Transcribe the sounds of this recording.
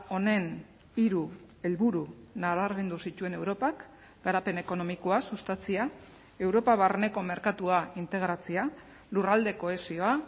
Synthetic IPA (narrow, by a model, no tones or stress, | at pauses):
o̞ne̞n | iɾu | e̞lβuɾunaβaɾβe̞nd̪usit̪ue̞ne̞wɾo̞pak | ɡaɾape̞ne̞ko̞no̞mikoasust̪at͡sia | e̞wɾo̞paβarne̞ko̞me̞ɾkat̪uaint̪e̞ɣ̞ɾat͡sia | lurald̪e̞ko̞e̞sio̞a